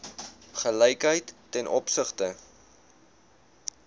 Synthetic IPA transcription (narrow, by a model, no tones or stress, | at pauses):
χəlɛjkɦəjtːɛnʔɔpsəχtə